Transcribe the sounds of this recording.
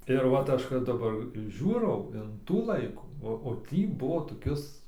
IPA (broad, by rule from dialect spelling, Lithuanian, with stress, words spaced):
ɪr ˈʋɐt ˈɐʃ kɐt dɐˈbɐr ˈʒʲuːrɐʊ ɪn ˈtuː ˈlˠɐɪkuː oː ˈtʲiː ˈbʊʋoː toːˈkʲɪs